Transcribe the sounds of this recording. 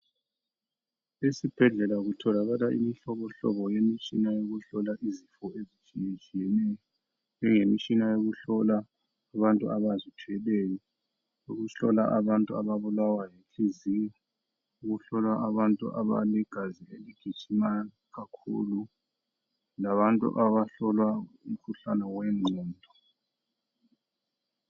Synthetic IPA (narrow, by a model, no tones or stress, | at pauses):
esib̥ʱɛɮɛlaɣutʰɔlaɣalaʔḭmiɬɔβɔɬɔ̰βɔjemit͡ʃʼinajoɣuɬɔlaʔizifɔezit͡ʃʼijet͡ʃʼijɛnɛjɔ | nd͡ʒɛŋemit͡ʃʼinajoɣuɬɔlaː | βantʼuaβazitʰuɛlɛjɔ | uɣuɬɔla̰ʔaβantʼua̰βaβulawajekʰʼizija | uɣuɬɔlwaʔaβantʼṵʔa̰βa̰lɛɡ̥ʱazieliɡ̥ʱi̥t͡ʃʼima | ɣakʰṵːlu | laβantʼṵʔaβaɬɔlwaum̩kʰuɬanawɛŋ͡ǀʱiːndʱɔ